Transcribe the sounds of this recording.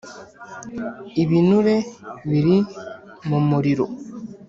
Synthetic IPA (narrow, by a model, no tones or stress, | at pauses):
iβinuɾeβiɾi | momoɾiɾo